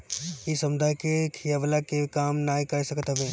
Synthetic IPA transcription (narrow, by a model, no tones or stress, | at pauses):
isɐ̃md̪ʱaːjkekʰijaʋlakekaːmnaːikɐɾsɐkət̪ɦɐʋẽː